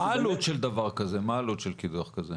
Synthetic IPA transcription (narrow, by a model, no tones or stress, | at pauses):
aːlut̪ʃeld̪avaʁkazemaːlut̪ʃelkid̪uχkaze